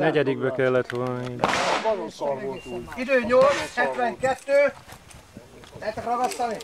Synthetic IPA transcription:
nɛɟɛd̪iɡbɛkɛlːɛt̪ʋolnniːn | id̪øːɲolt̪shɛt̪ʋɛŋkɛt̪ːøː | lɛɛt̪ɛkrɒɡɒst̪ɑni

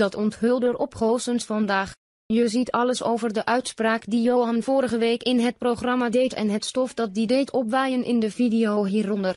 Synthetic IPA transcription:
d̥ɑtɔntɦɵlˠdəɹʔɔpχowsənsfɑndaːχ | jəzitʰɑləso̰wvərdəʔœɥtspraːkdijowɦɑnvʊːɾəχəʋejkɪnɦət̚proχrɑmaːdejtɛ̰nɦətstɔfdɑt̚didejtʰɔpʋɛjənʔɪ̰ndəvidijowɦiːrɔndər

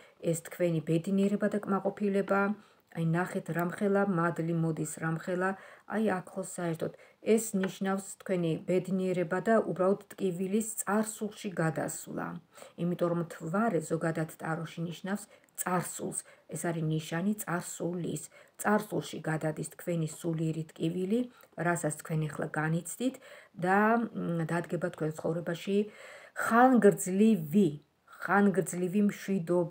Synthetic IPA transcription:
ɛst̪ʰkʰvɛnibɛd̪niɛɾɛbad̪akʼmaqʼɔpʰilɛbaː | ajnaχɛt̪ʰɾamχɛlˠamad̪limɔd̪isɾamχɛlˠaa̰jakʰlˠɔsaɛɾt̪ʰɔt̪ɛsniʃnafst̪ʰkʰwɛnibɛd̪niɛɾɛbad̪aʔubɾalˠɔt̪t̪ʼkʼivilist̪sʼaɾsulˠʃiɡad̪a̰slˠa̰imit̪ʼɔɾɔmt̪ʰvaɾɛzɔɡad̪at̪ʰt̪ʼaɾɔʃiniʃnafst̪sʼaɾsṵlˠsɛsaɾiniʃanit̪sʼaɾsulist̪sʼaɾsulˠʃiɡad̪ad̪ist̪ʰkʰvɛnisuliɛɾit̪ʼkʼivili | ɾasat̪st̪kʰwɛnɛχlˠa̰ɡanit̪sʰd̪it̪ʰd̪ad̪ad̪ɡɛbat̪ʰkʰwɛnt̪sʰχɔvɾɛbaʃiχanɡɾd̪zlivi | χanɡɾd̪zlivimʃwid̪ɔb

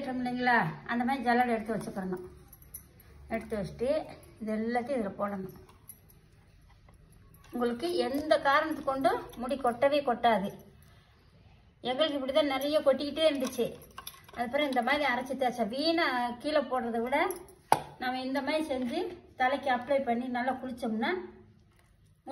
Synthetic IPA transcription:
ʈːɾɯŋɡɐlːiːŋɡɐɭaːɐ̰nd̪ɐmaːðɾid͡ʒɐlːɐlɛɽɯt̪ːɯʋɐt͡ʃːɯkːɐɾɐnʊ̃ | ɛɽɯt̪ːɯʋɐt͡ʃːɯ̥ʈːɯɪðɛlːɐt̪ːɯɪðɪlɐpoːɽɐnʊ̃ | ʊŋɡɐɭɯkːɯɛnd̪ɐkaːɾɐɳɐt̪ːɯ̥kːɔɳɖɯmʊɽikːɔʈːɐʋeːkɔʈːaːðɯ | ɛŋɡɐɭɯk̬ːɯɪp̬ːɐɽit̪ãːnɛɾɐjɐkɔʈːɯkɪʈːeːɾɯnd̪ɯt͡ʃːɯɐðɐpːɐɾɐ̃ɪnd̪ɐmaːðɾiɐɾɐt͡ʃːɯt̪ːɐɐt͡ʃːɐʋiːnɐkiːlɐpoːɽrɐðɯʋɪɽɐ | namːɐɪnd̪ɐmaːðɾisɛɲd͡ʒɯt̪ɐlɐɪkːɯɐploɪpɐɳːinɐlːakʊɾɪt͡ʃːɐmnːaː

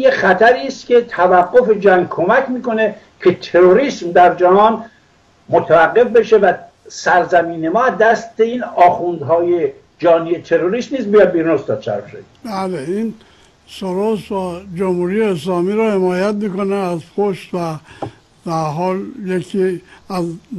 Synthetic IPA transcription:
jeχæt̪ʰæɾiːst̪kʲʰe̞t̪ʰævæɡːo̞fe̞d͡ʒæŋɡ̚kʰo̞mækʰmiːko̞ne̞ | kʰe̞t̪ʰe̞ɾoɾiːsmd̪æɾd͡ʒæhɒːn | mot̪ʰævæɡːe̞fbe̞ʃe̞væ | sæɾzæmiːne̞mɒːæd̪æst̪e̞iːnɒːxund̪ɦɒːje̞ | d͡ʒɒːniet̪ʰe̞ɾoɾiːsniːsmbijɒd̪̚biɾunosd̪ɒːd̪̥̚t͡ʃʰæ̰ɾbʃḛbæleiːn | soɾosvæd͡ʒomhuːɾijeːslɒːmiːɾɔhe̞mɒːjæt̪̚miːkoneæzpʰoʃt̪væ | d̪̥æɾɦɒːljekʰiæz

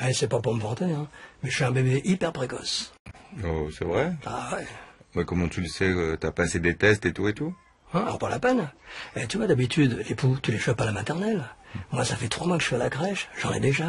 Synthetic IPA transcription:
ɛsɛpapuʁməvɑ̃t̪eɛ̃mɛʒəfyɛ̃bebeʔipɛʁpχekɔs | osɛvʁɛawɛmɛkɔmɑ̃t̪yləsɛøt̪yapased̪et̪ɛst̪et̪uet̪u | ɛ̃alɔ̰ʁpala̰pɛnɛt̪yvwad̪abit̪ʰyd̪leput̪yleʃɔpalamat̪ɛʁnɛlmwasafɛt̪χwamwakəʒə̥ʃfialakʁɛʃʒ̥ɑ̃nɛ̰d̪eʒa

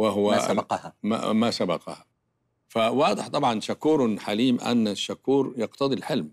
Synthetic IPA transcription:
waɦʊwaaqhama̰masabɑqɑ̰ha | fawɑːd̪ˤɪħt̪ˤɑbʕɑnʃakuːɾˤħaliːmʔa̰nːaʃːakːuːɾjɑqt̪ɑd̪ˤilħɪlm

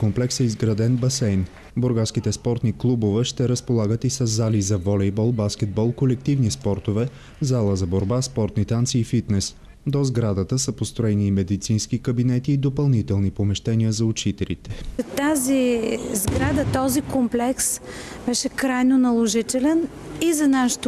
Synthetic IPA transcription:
komplɛksɛizɡɾɐd̪ɛnbɐsɛjn | boɾɡaskit̪ɛspɔɾt̪niklˠubovɛʃt̪ɛɾəspolˠaɡət̪isəzːalizɐvɔlɛjbɔlˠbaskʲɛd̪̚bɔlˠkolɛk̚t̪ivnispɔɾt̪ovɛ | zalˠəzɐboɾbaspɔɾt̪nit̪ant̪siːfit̪nɛs | d̪ozɡɾad̪ət̪əsəpost̪ɾoɛniːmɛd̪it̪sinsk̟ikəbinɛt̪iːd̪opɐlˠnit̪ɛlˠnipomɛʃt̪ɛniəzɐʊt͡ʃit̪ɛlḭt̪ɛt̪azizɡɾad̪ət̪ɔzikomplɛksbɛʃɛkɾajnonɐlˠoʒit̪ɛlɛn | izɐnaʃɛ̥t̪

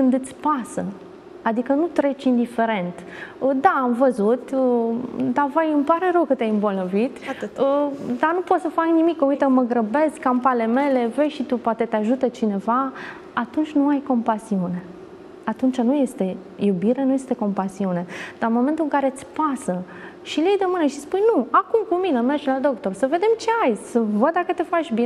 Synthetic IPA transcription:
kɨnd̪ɨt̪sʲpasə | ad̪ikənut̪ɾe̞t͡ʃʲind̪ife̞ɾe̞nt̪əd̪aːmvəzut̪əd̪avajɨmpaɾe̞ɾəwkət̪jʲajɨmbo̞lnovit̪əd̪anupo̞t̪səfaknimikːəujt̪əməɡɾəbe̞skːampale̞me̞le̞ve̞jʃit̪upoat̪e̞t̪eaʒut̪ət͡ʃine̞va | at̪unt͡ʃʲnuajko̞mpasiune̞ | at̪unt͡ʃanuje̞st̪e̞ | jubiɾenuje̞st̪e̞ko̞mpasiune̞d̪̥amo̞ment̪ulɨŋkaɾet̪ʲpasə | ʃiljejd̪əmɨnəʃispujnuakumkumine̞merd͡ʒlad̪o̞kt̪o̞rsəve̞d̪e̞mt͡ʃe̞ajsəvəd̪̚d̪akət̪efat͡ʃʲbi

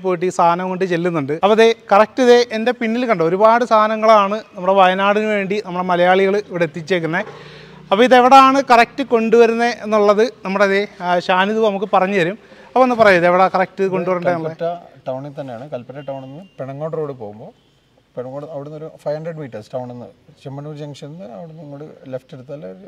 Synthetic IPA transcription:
p̬ːoːjiʈ̬ːiːst̪ʰaːnɐmkoɳɖɨt͡ɕe̞lːunːuɳɖɨɐpːoɐðekɐrɐk̚tːiðe̞ʔende̞pinːilkɐɳɖɨo̞ɾubaːɽɨsaːnɐŋːɐɭaːɳɨnɐmːuɽe̞ʋɐjɐnaːɽinɨʋe̞ːɳɖinɐmːuɽe̞mɐlɐjaːɭiɣɐɭiʋiɽeet̪ːit͡ɕːe̞ːk̬ʲːunːɐ | ɐpːoːiðeʋiɽeaːɳɨkɐrɐk̚tːɨko̞ɳɖuʋɐɾunːɐenːuɭːɐðɨnɐmːuɽeðe̞ɕaːniðuʋnɐmukːɨpɐrɐɲːɨʋɐɾumɐpːoenːɨpɐrɐjuːɐðeʋiɽekɐrɐk̚ʈɨko̞ɳɖɖuʋɐɾunːɐenːuɐetːɐʈɐwɳint̪ɐnːejaːɳɨkɐlpɐtːɐʈːɐwɳenːɨpeɳɐŋːoɽɾoːɽɨpoːɣumbo̞ː | peɳɐŋːoɽɐʋiɽunːoɾufɐjhɐɳɖreɖmiːʈːɐrsʈɐwɳenːɐ̰ðt͡ɕemːɐnuːd͡ʑeŋʂinːɨɐʋiɽunːɐŋːoɽɨlefʈeɽut̪ːɐlːɐɾ

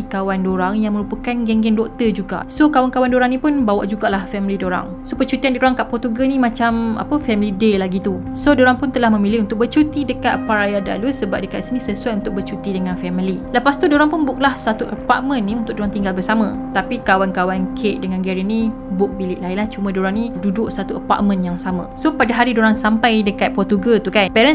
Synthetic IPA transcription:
ikawandoɾaŋjaŋmə̃ɾupəkanɡɛŋɡɛndɔʔ̚t̪əd͡ʒuɡa̰ʔsokawankawandoɾaŋnĩpʊnbawa̰ʔd͡ʒuɡaʔlahfɛmilidoɾa̰ŋ | sopət͡ʃut̪iandiɾoɾaŋkaʔpɔt̪uɡənĩmãt͡ʃama̰pəfɛmilidelaɡit̪u | sodoɾaŋpʊnt̪əlahmə̃milɪhunt̪ʊk̚bərt͡ʃut̪idəkat̪̚paɾajada̰lusəbap̚dəkat̪̚isinĩsəsuat̪unt̪ʊk̚bərt͡ʃut̪idəŋãnfɛmililəpast̪udoɾaŋpʊnbʊk̚lahsat̪uʔəpa̰ʔ̚mə̃nːĩunt̪ʊk̚doɾaŋt̪iŋɡalbərsamə̰̃ | t̪apikawankawankʰeʔ̚dəŋãnɡɛɾinĩ | bʊk̚bilɪʔlainlaht͡ʃumə̃doɾaŋnidudʊʔsat̪uəpa̰ʔ̚mə̃njaŋsamə̰̃sopadaɦaɾidoɾaŋsampajdəkat̪̚pɔrt̪uɡət̪ukanpɛɾən

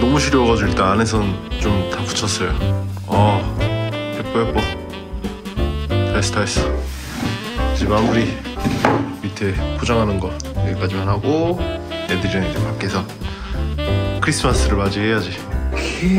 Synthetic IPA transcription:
nʌmuɕʰiɾjoʌɡad͡ʑuiɭt͈aːne̞s̬ʰʌnt͡ɕomtapu̥t͡ɕʰʌs͈ʌjo | ʌ | ep͈ʌjep͈o | tʰas͈ʰɯ̥tʰaes͈ɯ̥ | d͡ʑimamuɾi | bitʰepʰod͡ʑaŋɦanɯnɡʌ | eek͈ad͡ʑimanɦaɡonedɯɾinɯnd͡ʑepak͈esʰʌ | kʰɯɾis͈ʰɯmas͈ʰɯɾɯɭmad͡ʑiɦe̞jad͡ʑi

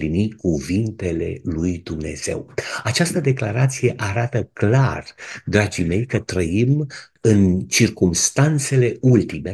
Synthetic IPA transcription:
linikuvint̪e̞le̞lujd̪umne̞̰z̥e̞̰wat͡ʃast̪əd̪e̞klaɾat̪sije̞ʔaɾat̪əklard̪ɾad͡ʒime̞jkət̪ɾəim | ɨnt͡ʃirkumst̪ant̪se̞le̞ult̪ime̞

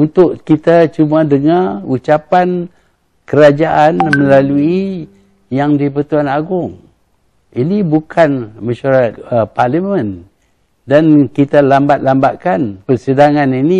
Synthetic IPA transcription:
unt̪ʊʔkit̪at͡ʃumadəŋaut͡ʃapan | kəɾad͡ʒaʔanmə̃lalui | jaŋdipət̪uanaɡʊŋ | inibukʰanmaʃaɾaat̪̚parlimə̃n | dankit̪alambat̪̚lambaʔkanpərsədaŋanini

